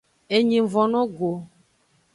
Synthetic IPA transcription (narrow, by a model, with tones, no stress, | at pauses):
e˨ɲĩ˨vɔ̃˨nɔ̃˦ɡo˨